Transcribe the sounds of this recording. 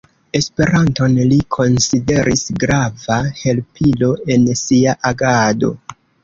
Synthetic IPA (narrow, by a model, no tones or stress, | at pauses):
e̞spe̞ɾanto̞nlikʰo̞nside̞ɾʔisɡɾavahe̞lpʰilo̞e̞nsiaʔaɡado̞̰